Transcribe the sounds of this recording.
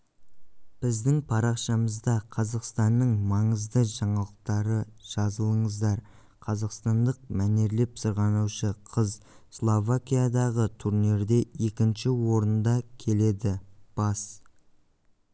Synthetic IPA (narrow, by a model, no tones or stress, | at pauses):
b̥ɪzd̪ɪŋpʰɑɾɑqʃɑməzd̪ɑqʰɑzɑqst̪ɑnːəɴmɑɴəzd̪əʒɑɴɑlˠəq̚t̪ɑɾəʒ̥ɑzəlˠəɴəzd̪ɑɾ | qʰɑzɑqst̪ɑnd̪əq̚mæne̞ɾle̞psəɾʁɑnuʃəqʰəzslˠovakʲijad̪ɑʁət̪ʰuɾneɾd̪e̞e̞kʲɪnʃɪwo̞ɾənd̪ɑkʲʰe̞le̞d̪ɪb̥ɑs